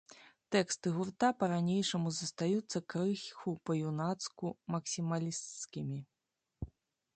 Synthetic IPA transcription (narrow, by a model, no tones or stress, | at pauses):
t̪ɛkst̪ɨɣurt̪apɐɾanʲejʂɐmuzɐst̪ajut̪sːɐkɾɨxʲxupɐjunat̪skumɐksʲimalʲist̪skʲimʲi